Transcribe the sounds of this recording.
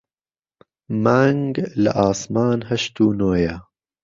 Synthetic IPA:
maːŋɡlɐ̰ʔɑːsmɑːnhɐʃt̪uːnoːjɐ

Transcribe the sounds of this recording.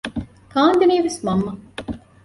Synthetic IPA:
kaːnd̪eniːʋesmɐmːɐ

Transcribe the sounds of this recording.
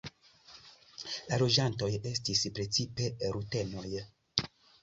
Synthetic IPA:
lalo̞d͡ʒanto̞je̞stispɾe̞t͡sipe̞ɾute̞no̞j

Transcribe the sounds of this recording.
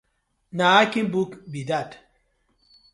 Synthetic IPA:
naakinbukbidat

